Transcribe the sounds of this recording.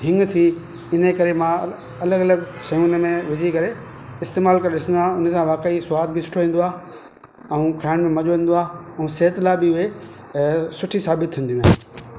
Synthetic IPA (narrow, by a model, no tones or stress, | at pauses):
ɦɪ̃ŋɡt̪ʰi | ɪnəkɐɾemã | ɐləɡɐləɡsɐjuːnmẽʋɪd͡ʑʱikɐɾe | ɪst̪eːmaːlkɐɾɗɪsə̃nd̪oaːʊnəsãʋaːkeiswaːd̪̚bɪsʊ̥ʈʰoĩːn̆d̪oaː | ɛũkʰaːɪɽ̃mẽmɐʄoʋĩːn̆d̪oaːɛ̃ũseːt̪laːbɪʊɦe | sʊʈʰisaːbɪt̪ʰːĩːnd̪ijũɦaː